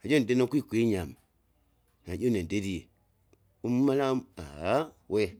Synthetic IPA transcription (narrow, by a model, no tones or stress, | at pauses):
ad͡ʒondenokʷuikʷeɲam | nad͡ʒonendedie | ummalaba̰ | we